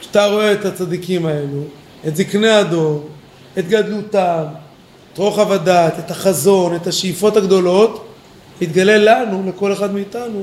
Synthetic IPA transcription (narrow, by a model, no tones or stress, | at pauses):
ʃḁt̪aʁo̞e̞ːt̪hat͡sad̪ikimae̞lu | et̪zikneado̞n | e̞t̪ɡad̪lutam | et̪ʁo̞χavad̪at̪et̪haχazo̞ne̞t̪haʃeifo̞thaɡd̪o̞lo̞t̪ | it̪ɡale̞lanule̞ko̞le̞χad̪meit̪anu